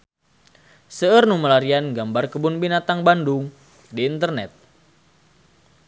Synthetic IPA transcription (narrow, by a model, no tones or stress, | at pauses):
səərnuməlaɾianɡambarkəbʊnbinat̪aŋbandʊŋ | diːnt̪ərnɛt̪̚